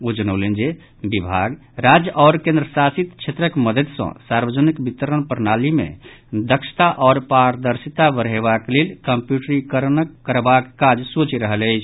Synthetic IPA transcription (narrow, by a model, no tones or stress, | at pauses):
ud͡ʒənəʊlend͡ʒe | bibʱaɡ | ɾad͡ʒəʔɔːɾkẽnd̪ɾəsasit̪t͡ʃʰet̪ɾəkməd̪əd̪sə̰̃saɾbəd͡ʒənikbit̪əɾənpəɾnalimḛ̃d̪əkʃʰt̪aʔɔːɾpaɾd̪əɾsit̪aʋəɾɦeβaklelkəmpjuʈɾikəɾnəkːəɾbakːad͡ʒsut͡ʃiɾəɦələɪt͡ʃʰ